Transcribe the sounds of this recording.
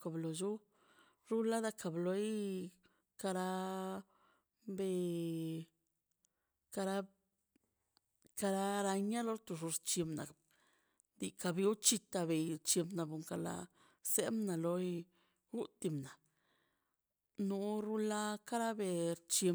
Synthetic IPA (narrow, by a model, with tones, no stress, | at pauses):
ka˨blo˨d͡ʒu˦ | ɾu˦la˦d̪a˦ka˨blo˧j | ka˧ɾa˧ | be˧ | ka˧ɾa˧ | ka˧ɾa˧ɾa˧ɲa˦lo˧˦ɾt̪u˧ʐu˧ɾt͡ʃi˧mna̰˨ | d̪i˧ka˧bi˧u˦t͡ʃi˧t̪a˧be˨jɾt͡ʃi˧mbna˨bu˨ŋka˨la̰˧ | se˦mna˨lo˧j | ɡu˦t̪i˧˨mna˨ | nu˧˦ɾu˦la˦ka˦ɾa˦be˧ɾt͡ʃi˧